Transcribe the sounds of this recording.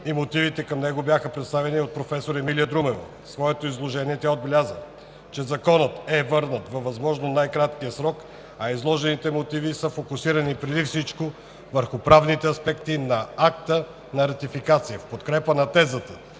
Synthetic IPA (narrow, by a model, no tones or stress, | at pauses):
imot̪ivit̪ɛkɐmnɛɡobʲjaxəpɾɛt̪st̪avɛniot̪̚pɾofɛsoɾɛmilijəd̪ɾumɛvə̰ | svɔɛt̪oizlˠoʒɛniɛt̪ʲjaod̪̚bɛlʲazə̰ | t͡ʃɛzɐkɔnət̪ɛvɤɾnət̪vɐvɐzmɔʒnonajkɾat̪kijəsɾɔk | ɐizlˠɔʒɛnit̪ɛmot̪ivisəfokʊsiɾənipɾɛd̪ifsit͡ʃko | vəɾxʊpɾavnit̪ɛɐspɛkt̪inɐak̚t̪ə | nɐɾɐt̪ifikat̪sijəfpot̪kɾɛpənɐt̪ɛzət̪ə̥